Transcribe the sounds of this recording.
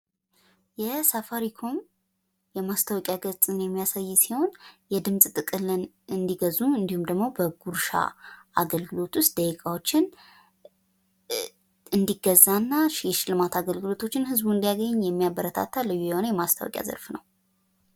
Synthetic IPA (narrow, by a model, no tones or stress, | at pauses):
jɛsafaɾikʰo̞m | jɛmast̪ʰawɔkʼjaɡət͡sʼɨnjɛmːijasajːsiho̞njɛd̪ɨmsʼt̪ʼɨkʼɨlɨn | ɨnd̪iɡəzuɨnd̪ihumd̪əɡmo̞bəɡuɾʃa̰ʔa̰ɡəlɡɨlo̞t̪wʊst̪̚d̪əikʰawo̞t͡ʃːɪn | ɨnd̪iɡːəzːanːaʃjɛʃɪlɨmat̪aɡəlɡɨlo̞t̪ʰo̞t͡ʃːɪnhɨzbuɨnd̪ijaɡəɲɲːjɛmːijabːəɾət̪ʰa̰t̪ʰːalɨjːujɛho̞nəjɛmast̪ʰəwɔ̰kʼja̰zə̰ɾfnəw